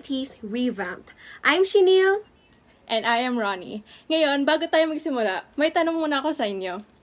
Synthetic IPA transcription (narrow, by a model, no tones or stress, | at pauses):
t̪ʰisɹivant̪ʔajmʃinil | ʔɛnajɐmɹanḭŋɐjo̞nbaːɡot̪aːjomɐɡsɪmʊlamɐjt̪ɐnoŋmuːnɐʔɐko̞sɐʔɪnjo̞